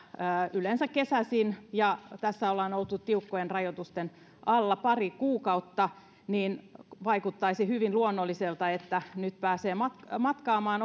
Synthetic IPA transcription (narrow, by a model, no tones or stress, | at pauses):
əːylensækːesæsinjɑt̪æsːæolːɑnolt̪ːut̪t̪iukːojenrɑjot̪ust̪en | ʔɑlːɑpɑrikuːkɑut̪ːɑ | niːnʋɑikut̪ːɑisihyʋinluonːolːiselt̪ɑet̪ːænyt̪pæːseːmɑt̪kmɑt̪kɑːmɑːn